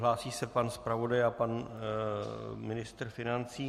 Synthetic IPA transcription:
ɦlaːsiːsɛpanspɾavo̞dajapan | mɪnɪst̪rfɪnant͡siː

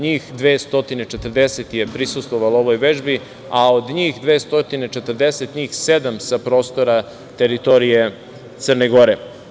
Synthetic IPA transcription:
ɲiːxd̪ʋeːst̪o̞t̪ine̞t͡ʃet̪r̩d̪eset̪je̞pɾisust̪ʋoʋalo̞ʋo̞jʋe̞ʒbi | aod̪ɲiːxd̪ʋeːst̪ot̪inet͡ʃe̞t̪ərd̪eset̪ɲiːxse̞d̪amsapɾo̞ːst̪oɾa | t̪e̞ɾit̪o̞ɾije | t̪sər̩neɡo̞ɾe

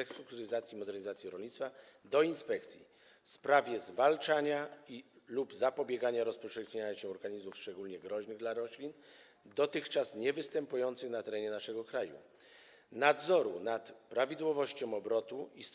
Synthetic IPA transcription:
ɛkst̪ɾuk̚t̪uɾɘzat̪sʲjimɔd̪ɛɾɲizat̪sjiɾɔlɲit̪st̪fad̪ɔinspɛkt̪sʲjḭ | fspɾavʲjɛzvalt͡ʂaɲailubzapɔbʲjɛɡaɲaɾɔspɔʂɛxɲeɲaɕɛɔɾɡaɲizmufʂt͡ʂɛɡulɲɛɡɾɔʑnɘɣd̪laɾɔɕlʲin | d̪ɔt̪ɘxt͡ʂasɲɛvɘst̪ɛmpujɔnt̪sɘxnat̪ɛɾɛɲɛnaʂɛɡɔkɾajṵ | nad̪zɔɾṵnat̪pɾavʲid̪wɔvɔɕt͡ɕɔ̃w̃ɔbɾɔt̪uis

